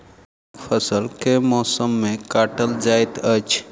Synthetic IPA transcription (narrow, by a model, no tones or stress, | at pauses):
pʰəsəlkemɔsəmːekaʈəld͡ʒajt̪ət͡ʃʰ